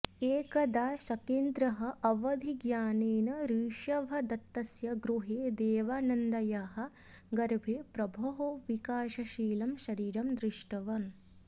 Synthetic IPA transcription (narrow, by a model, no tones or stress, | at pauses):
eːkɐd̪aːʃɐkeːnd̪ɾɐɦɐ̆ʔɐʋɐd̪ʱiɡjaːneːnɐɾiːʃɐʋʱɐd̪ɐt̪ːɐsjɐɡɾuɦeːd̪eːʋaːnɐnd̪ɐjɐɦɐ̆ | ɡɐɾbʱeːpɾɐbʱɐɦoʋikaːʃɐʃiːlɐmʃɐɾiːɾɐmd̪ɾɪʂʈɐʋɐn